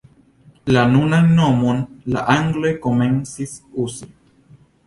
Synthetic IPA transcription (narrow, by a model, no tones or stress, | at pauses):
lanunanːomonla̰ʔaŋɡlekomensisusi